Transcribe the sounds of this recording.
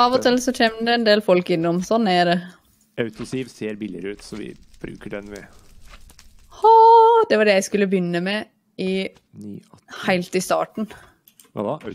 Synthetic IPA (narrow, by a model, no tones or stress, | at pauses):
ɑʋɔt̪ɪlːsɔc͡çɛmd̪ɛɛnd̪eːlfɔlkɪnːɔmsɔnːæɾɛ | ɑʉt̪ʊsiːʋseːɾbɪlɪəɾʉːt̪sɔʋɪ̰ | b̥ɾʉ̰ːkəɖɛnʋɛ | hɔd̪ɛʋɑɖɛjæɪskʉlːəbjʏnːəmɛ | ɪ | hæɪlt̪ɪst̪ɑ̰ːʈɳ̩̰